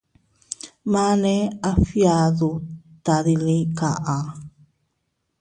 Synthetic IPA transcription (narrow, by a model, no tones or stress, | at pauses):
maneafiaðut̪aðilikaʔa